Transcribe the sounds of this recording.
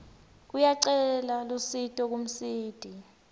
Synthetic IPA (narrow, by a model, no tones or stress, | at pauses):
k̬ujaǀɛlalusitʼɔk̬um̩siːd̥ʱi